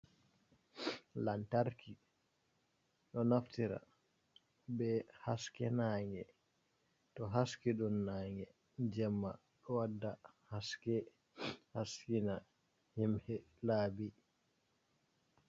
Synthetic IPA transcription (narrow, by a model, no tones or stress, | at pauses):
lantaɾkʰi | ɗɔnaftiɾa̰ | bɛhaskɛnaːŋɛ | tɔɦaskiɗɔnːaːŋɛ | d͡ʒɛmːa | ɗɔwadːahaskɛ | haskina | himhɛlaːbi